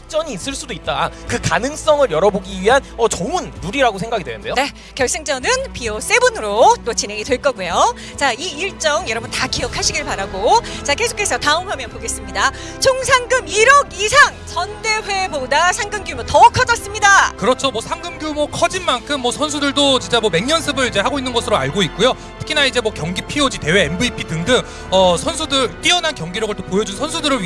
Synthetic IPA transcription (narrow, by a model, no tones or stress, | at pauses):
k̚t͡ɕ͈ʌɲiːs͈ɯɭs͈udoit̚t͈akɯkanɯŋs͈ʌŋɯɾjʌɾʌboɡiɥiɦanʌt͡ɕoɯnːuɾiɾaɡosʰe̞ŋɡaɡidwenɯnde̞jone̞ | kjʌɭs͈eŋt͡ɕ͈ʌnɯnpios͈e̞bunɯɾot͈ot͡ɕinɦe̞ŋidwe̞ɭk͈ʌɡuejo | t͡ɕaiiɭt͡ɕ͈ʌŋjʌɾʌbuntakʰiʌkʰaɕʰiɡiɭpaɾaɡot͡ɕake̞sʰo̥kʰe̞sʰʌtaɯmɦamjʌnpoɡe̞s͈ɯmɲida | t͡ɕʰoŋsʰaŋɡɯmiɾʌɡisʰaŋt͡ɕʌnde̞ɸwebodasʰaŋɡɯmɡumotʌkʰʌd͡ʑʌs͈ɯmɲidakɯɾʌt͡ɕʰomwʌsʰaŋɡɯmɡjumokʰʌd͡ʑinmankʰɯmːwʌsʰʌnsʰudɯɭdot͡ɕint͡ɕ͈amwʌme̞ŋɲʌnsʰɯbɯɾid͡ʑe̞haɡoinːɯnɡʌsʰɯɾoa̰ɭɡoit̚k͈ujo | tʰɯ̥kʰinaid͡ʑe̞mwʌkjʌŋɡipʰiod͡ʑite̞we̞ːmbɯipʰitɯŋdɯŋ | ʌsʰʌnsʰudɯɭt͈iʌnankjʌŋɡiɾʌɡɯɭt͈opojʌd͡ʑunsʰʌnsʰudɯɾɯɭ